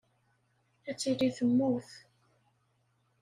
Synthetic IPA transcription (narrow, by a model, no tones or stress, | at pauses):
æt͡sːiliθəmːuθ